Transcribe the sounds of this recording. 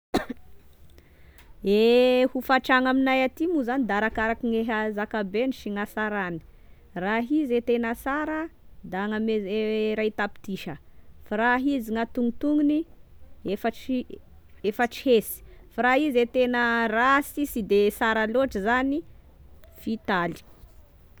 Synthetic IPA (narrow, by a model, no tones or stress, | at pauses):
ehufaʈ͡ʂaŋaminajat̪imuzanid̪aɾakaɾakiŋeɦazakabeniʃiŋasaɾani̥ | raɦizet̪enəsaɾəd̪aŋamezeɾajt̪api̥t̪iʃəfaɾaɦiziŋat̪uŋit̪uŋiniefəʈ͡ʂi | efəʈ͡ʂi̥hesi̥faɾaizet̪enərasisid̪esaɾaloʈ͡ʂizani | fit̪ali̥